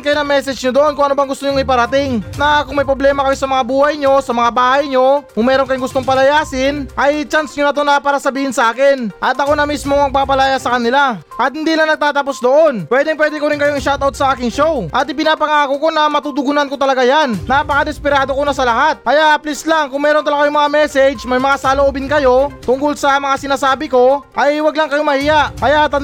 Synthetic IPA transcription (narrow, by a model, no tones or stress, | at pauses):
nkɐjonɐŋmɛsɛd͡ʒɲod̪oʔo̞nkʊŋʔɐnobɐŋɡʊst̪oɲʊŋɪpɐɾɐt̪ɪŋnɐkʊŋmɐjpɾoblɛːmɐkɐjo̞sɐmɐŋabuːhɐjɲo̞sɐmɐŋabaːhɐjɲo̞kʊŋmɛːɾonkɐjoŋɡʊst̪oŋpɐlɐjaːsɪnʔɐjt͡ʃansɲonɐt̪̬onapaːɾɐsɐbiːhɪnsɐʔaːkɪnʔɐt̪ɐko̞nɐmismo̞ŋmɐɡ̚paːpɐlajasɐkɐnɪla | ʔɐt̪̚hɪnd̪ilɐŋnɐɡ̚t̪aːt̪ɐp̬o̞sd̪o̞ʔo̞npwɛːd̪ɪŋpwɛːd̪ɛkoɾɪŋkɐjoɐŋʃaːt̪aot̪̚sɐʔaːkɪŋʃo̞wʔɐt̪ɪpɪnaːpɐŋakoko̞nɐmɐt̪ud̪ʊɡʊnankot̪ɐlɐɡajannapɐkɐd̪ɛspɪɾaːd̪o̞konɐsɐlɐɦat̪̚kɐjaʔɐplɪslaŋkʊŋmɛːɾo̞nt̪ɐlɐɡɐjoŋmɐŋamɛsɛd͡ʒmɐjmɐŋasaloʔobɪnkɐjo̞t̪ʊŋkolsɐmɐŋasɪnaːsaːbɪko̞ʔɐjwɐɡlaŋkɐjo̞mɐhiːjaʔkɐjat̪